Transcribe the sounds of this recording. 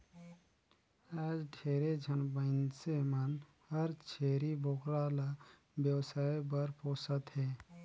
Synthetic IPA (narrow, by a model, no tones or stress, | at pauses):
aːd͡ʒɖʰʱeːɾed͡ʒʱənbənsemən | həɾt͡ʃʰeːɾibʱokɾala | bjəwsaːjbəɾpoːsət̪ɦɛ